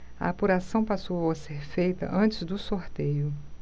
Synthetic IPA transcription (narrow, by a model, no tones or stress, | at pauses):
ɐ̰apuɾasɐ̃w̃pasowwɐseɾfejt̪ɐ̰ʔɐ̃nt͡ʃɪzd̪ʊsoɾt̪ejʊ